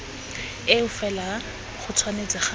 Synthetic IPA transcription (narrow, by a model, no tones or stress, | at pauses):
ɪʊfɛla | χʊt͡sʰwanet͡sɪχa